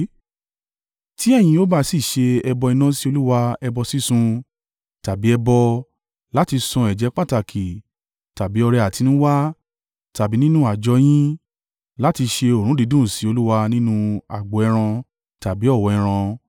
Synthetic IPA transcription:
ti˦ɛ˦˨j̃ĩ˧o˦ba˦˧si˦˨ʃe˧ɛ˧bɔ˧i˧nã˦si˦o˧lu˦wa˧ɛ˧bɔ˧si˦sũ˧ | ta˨bi˨˦ɛ˧bɔ˧ | la˦ti˧sɔ̃˧ɛ˨d͡ʒɛ˨˦k͡pa˦˨ta˨kʰi˨ | ta˨bi˨˦ɔ˧ɾɛ˧a˨ti˨˧˦nũ˦wa˦ | ta˨bi˨˦nĩ˦nũ˦a˦˨d͡ʒɔ˨˧˦j̃ĩ˦ | la˦ti˧ʃe˧o˨ɾ̃ũ˦di˨˧˦dũ˦˨si˨˦o˧lu˦wa˧nĩ˦nũ˧a˨ɡ͡bo˨ɛ˧ɾ̃ã˧ | ta˨bi˨˦ɔ˦˨wɔ˨ɛ˧ɾ̃ã˧

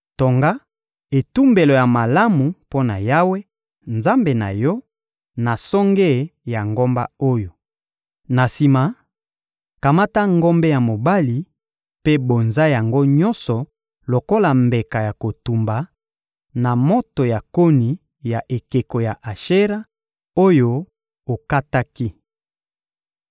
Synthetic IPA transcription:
to˨ŋɡa˦ | e˨tu˦mbe˨lo˨ja˨ma˨la˦mu˨po˦na˨ja˦we˦ | nza˦mbe˨na̰˨jɔ˦ | na˨sɔ˦ŋɡe˦˨ja˨ŋɡo˦mba̰˦o˦jo˨ | na˨si˨ma˨ | ka˨ma˦ta˦ŋɡo˦mbe˦ja˨mo˨ba˦li˨ | pe˦bo˨nza˦ja˨ŋɡo˦ɲɔ˦nsɔ˨ | lo˨ko˦la˨mbe˨ka˨ja˨ko˨tu˨mba˨ | na˨mo˦to˨ja˨ko˦ni˨ | ja˨ʔe˨ke˨ko˨ja˨ʔa˨ʃe˦ʁa˦ | o˦jo˦ | o˨ka˦ta˦ki˦

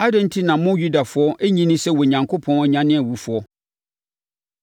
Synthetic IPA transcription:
a˦dɛ̃˦n̩˦tʰi˦nã˨˦mʊ̃˦ju˦da˨fʊ˨˦ɔ˦ʔe˦ɲĩ˦nɪ̃˦sɛ˦wɔ˨ɲã˨ŋkʰo˦pʰɔ̃˦nɔ˨ɲã˨nɪ̃˦ɛ˨wu˨fʊ˨ɔ˦

